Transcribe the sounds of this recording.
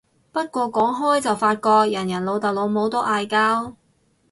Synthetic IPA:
pɐ˥t̚kʷɔː˧kɔː˨˥ŋɦɔː˥jt͡sɐ˨wfaː˧t̚kɔː˧k̚jɐ˨˩njɐ˨˩nlo˨˧wt̪ɐ˨˩w̚lo˨˧wmo˨˧˥wt̪o˥ʔaː˨˧jkaː˥w

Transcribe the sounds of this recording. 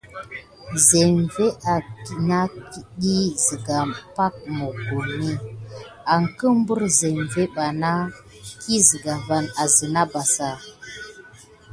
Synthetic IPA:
ze˨mve˦ʔa˨ki˨na˦ki˦ɗi˦zi˨ɡa˨pa˦k̚mo˨ɡu˨ni˦ | a˨ŋ˨kə˦m˦bə˦ɾze˨mve˦ɓa˨na˦ | kʰi˦zi˨ɡa˨va˨na˨zi˨na˦ba˨sa˨

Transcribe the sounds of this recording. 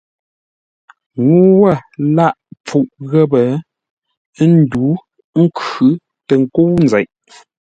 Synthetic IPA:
ŋu˦wə˦˨la˦˨ʔp͡fu˨ʔɣə˦bə˨˦ | n̩˦du˨˦ | ŋ̩˦kʉ˨˦ | tə˨ŋ̩˨ko˦wn̩˨zɛ˨ʔ

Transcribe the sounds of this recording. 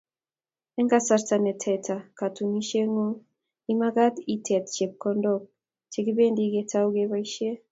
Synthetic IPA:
ɛ˦ŋɡa˦sa˨ɾta˨nɛ˨tʰɛ˨tʰa˨ka˨tu˨ŋi˦ʃe˦ŋo˦ | i˦ma˦ɡa˦t̪i˦tʰɛ˨t̪t͡ʃe˨p̚kɔ˦ndɔ˦k̚ | t͡ʃi˨ɡi˦be˦ndi˦ɡe˨ta˦u˦ɡe˦βa˦i˦ʃe˦

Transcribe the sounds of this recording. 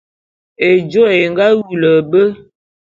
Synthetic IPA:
e˨d͡ʒo˦e˨ŋɡa˦wu˨lə˨bə˦

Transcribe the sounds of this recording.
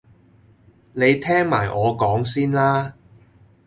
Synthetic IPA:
ne˨˧jt̪ʰɛː˥ŋma̰ː˨˩jʔɔː˨˧kɔː˨˥ŋsiː˥nlaː˥

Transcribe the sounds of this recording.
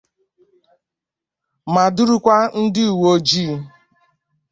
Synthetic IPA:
ma˨dʊ˦ɾu˦kʷa˦n̩˦dɪ˦u˨wo˦d͡ʒi˦

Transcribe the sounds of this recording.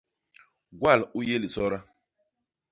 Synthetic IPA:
ɡwa˦˨lu˦je˦li˨sɔ˦ɾa˦

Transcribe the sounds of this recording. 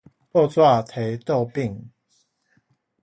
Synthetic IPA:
pɔ˥˧t͡swa˥˨t̪ʰe˨˦ɪt̪o˥˨ʊpi˥˨ŋ

